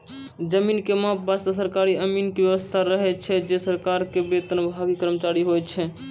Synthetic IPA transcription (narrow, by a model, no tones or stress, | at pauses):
d͡ʒəminkemapbast̪əs̬əɾkaɾiəminkebjəʋəst̪ʰaɾəɦɛt͡ʃʰɛd͡ʒesəɾkaɾkebet̪ənbʱaɡikəɾmət͡ʃaɾiɦojt͡ʃʰɛ